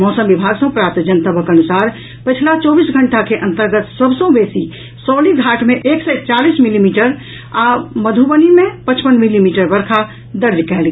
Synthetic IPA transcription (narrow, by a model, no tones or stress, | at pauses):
mɔːsəmbibʱaɡsə̃pɾap̚t̪d͡ʒənt̪əbʱəkənusaɾ | pət͡ʃʰlat͡ʃɔːbiːsɡʱəɳʈakeʔə̃nt̪əɾɡət̪səbʱsə̃besi | sɔliɡʱaʈʰmẽʔeksɛt͡ʃaliːsmilimiʈəɾ | aməd̪ʱubənimẽpət͡ʃpənmilimiʈəɾbəɾkʰa | d̪əɾjkɛɦlɡ